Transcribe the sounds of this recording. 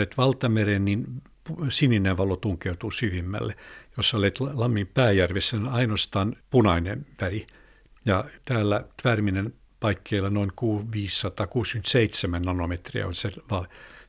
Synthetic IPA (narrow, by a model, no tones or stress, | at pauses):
et̪ʋɑlt̪ɑmerennin | pusinːineʋɑlot̪uŋkeut̪uːsyʋimːæ̰lːejosːolet̪lɑmːimpæːjærʋesːænɑinoɑst̪ɑːnpunɑinḛnʋæri | jɑt̪æːlːæt̪ʋæːrminen | pɑikːeilːɑnoiŋkuːʋiːsːɑt̪ɑːkuːskynt̪seit̪semænnɑnomet̪riæ̰olʲseʋɑl